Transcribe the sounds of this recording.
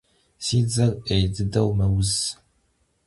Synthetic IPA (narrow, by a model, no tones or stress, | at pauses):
siːd͡zɐrejdɨdɐwmɐwʊz